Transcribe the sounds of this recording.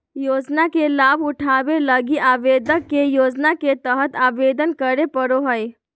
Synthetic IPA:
joːd͡ʒnakelaːbʊʈʰaːʋeləɡiʔaːʋeːd̪əkːejoːd͡ʒnaket̪əɦət̪aːʋeːd̪ənkəɾepəɾoɦəj

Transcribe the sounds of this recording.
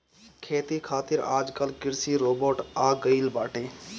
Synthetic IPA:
kʰeːt̪iːkʰaːt̪ɪɾaːd͡ʒkəlkɪɾsiːɾoːboːʈaːɡəiːlbaːʈẽː

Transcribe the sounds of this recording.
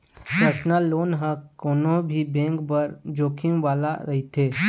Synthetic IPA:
pɾəɾʃnaloːnɦə̃koːnõbʱibẽːŋkpəɾd͡ʒoːkʰimʋaːlaɾɐɦit̪ʰeː

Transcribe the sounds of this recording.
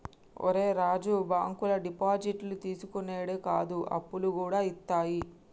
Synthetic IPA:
o̰ɾeːɾaːd͡ʒubaːŋkulɐɖipaːd͡ʒiʈlut̪iːsukoneːɽekaːd̪uʔɐ̰pːulukuːɽaːit̪ːaːji

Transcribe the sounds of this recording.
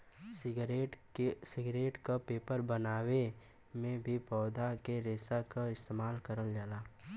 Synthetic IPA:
ɾeʈsɪɡɾeːʈkapeːpəɾbənaːwe | mẽbʱipɔːd̪ʱakeɾeːsakaɪst̪eːmaːlkəɾəld͡ʒaːlaː

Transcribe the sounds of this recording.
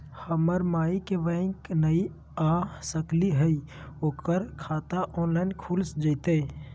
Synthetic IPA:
həməɾmaːikeʋə̃knəi | aːsəkliɦəioːkəɾkʰaːt̪aʔɔːnlaːɪnkʰulsd͡ʒət̪e

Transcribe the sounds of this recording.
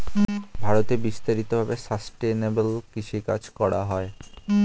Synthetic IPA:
bʱaɾot̪ebist̪aɾit̪obʱabesəsʈenebəlkiʃika̰d͡ʑkɔɽaɦɔe

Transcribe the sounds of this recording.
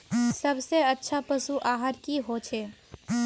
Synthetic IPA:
səbseətːʃʰapəsuʔaːɦəɾkiɦot͡ʃʰeː

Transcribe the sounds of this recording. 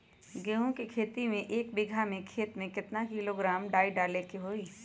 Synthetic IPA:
ɡeːɦõkikʰeːt̪imẽʔeːk̚bɪɡʱamẽkʰeːt̪mẽkɪt̪nakɪloɡɾaːmɖaːiɖaːlekiɦoːiː

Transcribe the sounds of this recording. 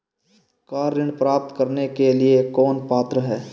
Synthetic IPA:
kaːɾːɪɳpɾaːp̚t̪kəɾnekeliekɔːnpaːt̪ɾəɦɛː

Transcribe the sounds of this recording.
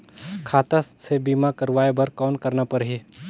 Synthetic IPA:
kʰaːt̪asebiːmakəɾʋaːebɐɾkɔːnkəɾnapəɾɦi

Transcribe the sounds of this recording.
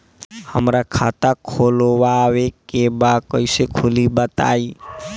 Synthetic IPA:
həmɾakʰat̪akʰolwawekebakəisekʰulibət̪a̰i

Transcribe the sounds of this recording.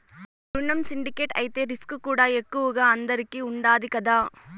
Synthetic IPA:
ɾʊɳːɐmsɪɳɖɪkeːʈɐ̰ɪt̪ːeːɾɪskɯkːuːɽaːɛkːɯʋɯɣɐɐnd̪ɐɾɯkːiʊɳɖaːðikɐðaː

